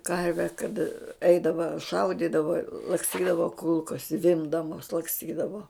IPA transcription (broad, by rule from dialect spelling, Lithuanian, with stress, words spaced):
ˈkɐrʲʋʲɛ kɐt ˈɛɪdɐʋɐ ˈʃɐʊdʲiːdɐʋɐ lˠɐksʲˈtʲiːdɐʋɐ ˈkʊlˠkoːs ˈzʲʋʲɪmbdɐmoːs lˠɐksʲˈtʲiːdɐʋoː